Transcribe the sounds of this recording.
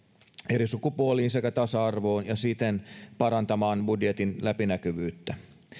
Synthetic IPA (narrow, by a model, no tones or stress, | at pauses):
eɾisukupuoliːnse̞kæt̪ɑsɑɑrʋo̞ːnjɑsit̪enpɑɾɑnt̪ɑmɑːnbudjet̪inlæpinækyʋyːt̪ːæ